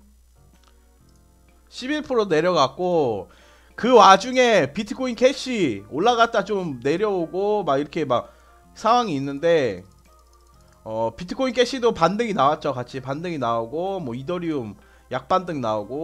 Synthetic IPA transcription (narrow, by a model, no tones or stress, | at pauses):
ɕʰibiɭpʰɯɾone̞ɾjʌɡak̚k͈o | kɯwad͡ʑuŋe̞pitʰɯ̥kʰoinkʰe̞ɕ͈ʰioɭːaɡat̚t͈at͡ɕomne̞ɾjʌoɡomaɡiɾʌkʰe̞mak̚ | sʰaŋwaŋiːnːɯnde̞ | ʌpitʰɯ̥kʰːoinkʰe̞ɕ͈ʰidopandɯŋinawat̚t͡ɕ͈okat͡ɕʰipandɯŋinaoɡomwʌidʌɾium | jak̚p͈andɯŋnaoɡo